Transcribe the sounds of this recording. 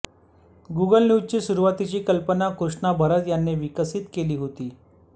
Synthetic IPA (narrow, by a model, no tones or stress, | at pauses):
ɡuɡəlnjuzt͡ɕiːsuɾuʋat̪it͡ɕiːkəlpənakɾuʂɳabʱəɾət̪janːeʋikəsit̪keliːɦot̪iː